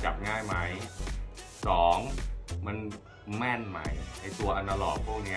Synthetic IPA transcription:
t͡ɕa˨˩p̚ŋaː˥˩jma˦˥j | sɔː˩˦ŋma˧n | mɛ˥˩nma˦˥jʔa˨˧˩jt̪u˧ɐʔa˧nt̪a˧lɔː˨˩pʰu˥˩ək̚ni˦˥

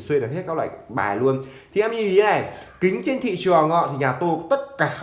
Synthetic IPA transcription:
swe˧nɨ˨˩he˦˥kaː˦˥klwa̰ː˧˨ɓa̰ː˨˩lu˧ən | t̪ʰi˨˩ʔɛ˧mɲi˧vi˨˦naː˨˩kï˨˦ŋ̟t͡ɕe˧nt̪ʰḭ˧˨t͡ɕɨ˨˩ə˨ŋɔ̰˧˨t̪ʰi˨˩ɲaː˨˩t̪o˧t̪ə˦˥t̚kaː˧˩

